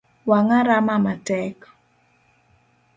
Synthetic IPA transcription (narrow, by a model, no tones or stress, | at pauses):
waŋaɾamamatɛk